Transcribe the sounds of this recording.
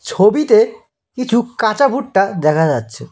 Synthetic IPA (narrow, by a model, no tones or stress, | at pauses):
t͡ɕʰobit̪e | kit͡ɕʰukãt͡ɕabʱuʈʈad̪ɛkʰad͡ʑatːɕʰe